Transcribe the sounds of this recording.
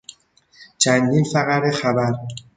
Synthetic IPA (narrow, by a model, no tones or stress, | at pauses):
t͡ʃʰænd̪infæɣæɾexæbæɾ